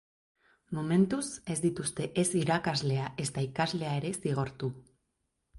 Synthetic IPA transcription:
mome̞nt̪use̞zd̪it̪ust̪e̞ʔe̞siɾakazle̞aʔe̞st̪aikazle̞ae̞ɾe̞siɣ̞o̞ɾt̪u

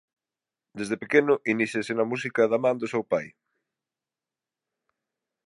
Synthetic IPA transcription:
d̪ezðepekenʊʔiniθesɪnɐmus̬ikɐðɐmãnd̪ʊsewpaj

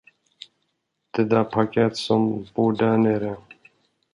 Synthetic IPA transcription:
t̪ed̪aːpʰɐkaːt̪sompoːɖaːneɾẽ

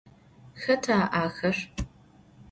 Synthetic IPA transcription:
xɐtʰaːʔaːxɐʂ

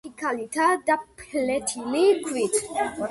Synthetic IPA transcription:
ikʰalit̪ʰad̪apʰlɛt̪ʰilikʰwit̪ʰ

